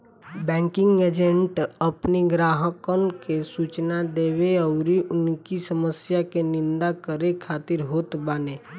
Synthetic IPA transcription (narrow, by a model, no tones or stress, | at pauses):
bɛ̃ːŋkɪ̃ŋɡeːd͡ʒẽɳʈəpniɡɾaːɦəkənkesuːt͡ʃnad̪eːweɔʊɾiʔʊnkisəməsjakenɪ̃nd̪akəɾekʰaːt̪ɪɾɦoːt̪baːneː